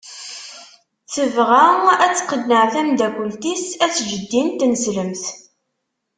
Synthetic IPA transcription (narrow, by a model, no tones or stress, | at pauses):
t͡sːəvʁææt͡sːqːəd̪nəʕθæmd̪ækʷːəlt̪isæt͡sːʒəd̪ːint̪ːnəsləmθ